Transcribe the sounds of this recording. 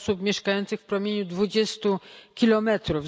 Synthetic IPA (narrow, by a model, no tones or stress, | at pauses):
supmʲjɛʂkajɔnt̪sɘxfpɾɔmʲjeɲud̪vud͡ʑɛst̪ukʲilɔmɛt̪ɾuv